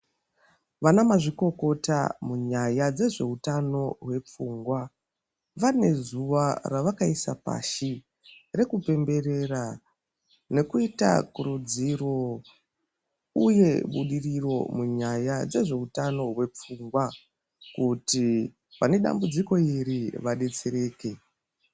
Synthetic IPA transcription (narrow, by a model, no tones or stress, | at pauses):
ʋanamaʐiko̞ko̞ta̰muɲajad͡ze̞ʐe̞utano̞ɦwe̞p͡fuːŋɡwa | ʋane̞zuʋaraʋakaisapa̰ʃi | re̞kupe̞mbe̞ɾe̞ra | ne̞kuita̰kuɾud͡ziro̞ | uje̞ɓuɗiriro̞muɲajad͡ze̞ʐe̞utano̞ɦwe̞p͡fuŋɡwa | kuti | pane̞ɗa̰mbud͡ziko̞iɾiʋaɗe̞t͡se̞ɾe̞ːke̞